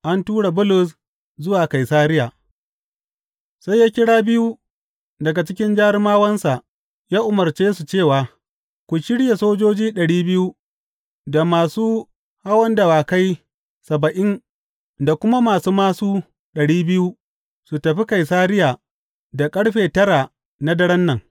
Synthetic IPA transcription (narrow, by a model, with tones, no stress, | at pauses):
ʔa˦ntuː˦ɽa˨bʊ˦lʊ˨s̬ | zʊ˦waː˨ka˨jsaː˦ɾɪ˦jaː˨ | sa˦jːaː˦kʲɪ˦ɽaː˦bɪ˦ju˦ | dɐ˨ɡa˨t͡ʃɪ˦kʲɪ˦nd͡ʒaː˦ɾɪ˦maː˦wɐ˦nsa˨ʔ | jaː˦ʔʊ˨mɐ˨ɾt͡ʃeː˦su˨t͡ʃeː˦˨waː˨ | kʷu˨ʃɪ˦ɽje˨soː˦d͡ʒoː˦d͡ʒiː˦ɗɐ˨ɽiː˦bɪ˦ju˦ | da˨maː˨suː˦ | ha˦wɐ˦nda˨waː˨ka˦j | sɐ˨bɐ˨ʔɪ˦n | da˨kʷʊ˦ma˦maː˨suː˦maː˦suː˦ | ɗɐ˨ɽiː˦bɪ˦ju˦ | su˨tɐ˨ɸi˦ka˨jsaː˦ɾɪ˦jaː˨ | da˨kʼɐ˦ɽɸeː˨tɐ˦ɾa˨ | na˦dɐ˦ɽɐ˦nːɐ˨ŋ